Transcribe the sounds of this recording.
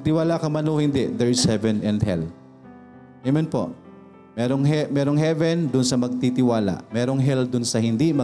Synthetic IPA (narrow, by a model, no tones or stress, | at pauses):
ɐt̪ɪwaːlakɐmɐnohɪnd̪ɛʔd̪ɛɹɪshɛvɛnɛnd̪̚hɛ̰l | jɐmonpo̞̰ʔ | mɛːɾoŋɦɛmɛːɾoŋɦɛvɛnd̪ʊnsɐmɐɡ̚t̪it̪ɪwaːla̰ʔmɛːɾo̞ŋɦɛld̪ʊnsɐhɪnd̪imɐ